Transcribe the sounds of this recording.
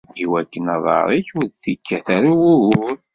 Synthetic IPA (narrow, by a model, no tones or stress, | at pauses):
iwækːənɑðˤɑ̰ɾˤiçʊɾθikʰːæθæɾiwʊuɾ